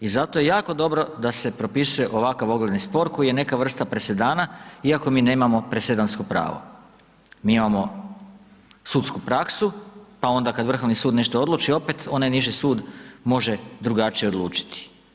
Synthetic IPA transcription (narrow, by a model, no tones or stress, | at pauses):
izat̪o̞je̞jaːko̞d̪o̞bɾo̞d̪ase̞pɾo̞pisuje̞ʔo̞ʋakaʋo̞ɡled̪nispo̞ɾko̞ije̞ne̞kaʋr̩st̪apɾe̞se̞d̪aːnaiako̞miːne̞mamo̞pɾe̞se̞d̪anskopɾa̰ːʋo̰ | miːimamo̞ | suːt̪skupɾaksupao̞nd̪akad̪ʋr̩xo̞ʋnisuːd̪ne̞ʃt̪oo̞d̪luːt͡ʃio̞pet̪o̞najniʒisuːd̪mo̞ʒe̞d̪ɾuɡat͡ʃije̞o̞d̪lˠuːt͡ʃi̥t̪i̥